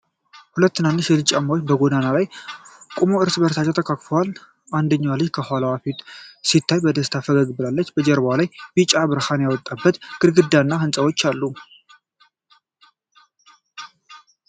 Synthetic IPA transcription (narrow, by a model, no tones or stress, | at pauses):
hulət̪ːɨnanːɨʃjɛlɨt͡ʃʼamːawot͡ʃːbəɡod̪analajkʼumoɨɾsɨbəɾsat͡ʃʰʼːat̪ʰəkʰakfəwal | ʔand̪əɲːawalːɨd͡ʒkʰəhalawafit̪sit̪ʰːajbəd̪əst̪ʰafəɡəɡbɨlalːət͡ʃːbəd͡ʒɛɾbalajbit͡ʃʼabɨɾhanjawɔt̪ʼːabːət̪ɡ̥ɨɾɡɨd̪ːanːahɨnsʼəwot͡ʃːalːu